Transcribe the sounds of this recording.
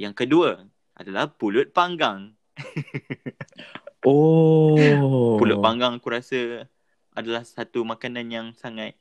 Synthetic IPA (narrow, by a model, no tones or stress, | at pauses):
jaŋkəduə | a̰dalahpulʊt̪̚paŋɡaŋ | o | pulʊt̪̚paŋɡaŋakuɾasə | ʔadalahsat̪umakananjaŋsaŋat̪̚